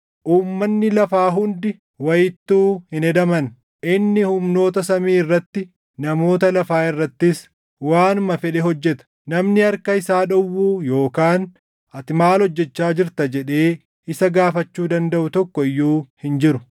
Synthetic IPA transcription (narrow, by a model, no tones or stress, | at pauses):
ʔuːmːɐnːɪlɐfaːɦʊnd̪ɪ | wɐjɪt̪ːuːhɪnɛd̪ɐmɐn | ʔɪnːɪhʊmno̞ːt̪ɐsɐmiːɪrːɐt̪ːɪ | nɐmo̞ːt̪ɐlɐfaːɪrːɐt̪ːɪs | waːnʊmɐfɛᶑɛɦɔd͡ʒːɛt̪ɐ̥ | nɐmnɪɐɾkɐɪsaːᶑɔwːuːjoːkaːn | ʔɐt̪ɪmaːlhɔd͡ʒːɛt͡ʃːaːd͡ʒɪɾt̪ɐd͡ʒɛᶑe̞ː | ɪsɐɡaːfɐt͡ʃːuːd̪ɐnd̪ɐʔʊt̪ɔkːɔɪjːuːhɪnd͡ʒɪɾʊ